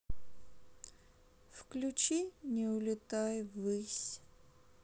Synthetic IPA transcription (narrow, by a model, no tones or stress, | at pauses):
fklʲut͡ʃinʲɛʊlʲɪt̪ajvɨsʲ